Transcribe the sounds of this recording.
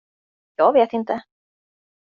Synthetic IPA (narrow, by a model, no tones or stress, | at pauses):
jɑːɡveːt̪ɪnt̪ə